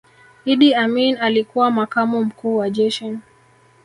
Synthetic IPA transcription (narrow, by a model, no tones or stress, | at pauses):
iɗiaminalikuwamakamum̩kuːwaʄɛʃɔn